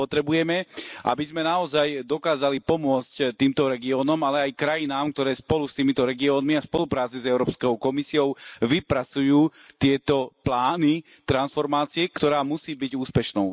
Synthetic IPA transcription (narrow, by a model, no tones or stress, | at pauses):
pɔt̪ɾɛbujɛmɛʔa̰bizmɛnaɔzajd̪ɔkaːzalipɔmʊɔt͡sct̪iːmt̪ɔɾɛɡiɔːnɔmalɛajkɾajinaːmkt̪ɔɾɛːspɔlust̪iːmit̪ɔɾɛɡiɔːnmiaspɔlupɾaːt͡sizɛʊɾɔːpskɔʊkɔmisiɔʊʋipɾat͡sujuːt̪ɪɛt̪ɔt̪laːni | t̪ɾansfɔɾmaːt͡siɛkt̪ɔɾaːmusiːbiɟuːspɛʃnɔʊ